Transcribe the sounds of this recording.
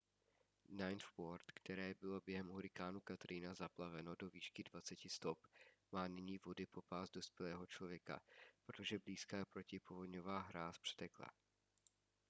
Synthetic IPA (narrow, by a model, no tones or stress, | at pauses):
najnfwoɾt̪kt̪ɛɾɛːbɪlo̞bjɛɦɛmɦuɾɪkaːnukat̪ɾinazaplavɛno̞do̞viːʃkɪdvat͡sɛcɪst̪o̞pmaːnɪɲiːvo̞dɪpo̞paːsdo̞spjɛlɛːɦo̞t͡ʃlo̞vjɛka̰pɾot̪o̞ʒɛbliːskaːpɾo̞cɪpovodɲo̞vaːɦɾaspr̥ɛ̥t̪ɛkla̰